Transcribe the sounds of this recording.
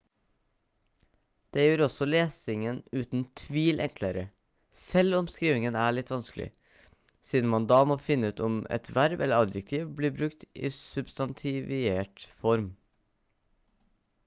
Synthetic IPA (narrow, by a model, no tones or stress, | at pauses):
d̪̥eːjøːɾɔsɔleːsɪŋənʉːt̪n̩t̪ʰʋiːlʔɛŋkʰləɾə | sɛlɔmskɾiːʋɪŋənæːɭɪt̪ːʋɑnsklʔɪ̰ | siːd̪n̩mɑnd̪ɑːmoːfɪnːəʉːt̪ɔmɛ̰t̪ʋæɾbɛlːəɾɑd̪jɛk̚t̪ʰiːʋbliːbɾʉkt̪ɪ̰ːsʉbst̪ɑnt̪ʰɪʋɪeːʈfɔɾm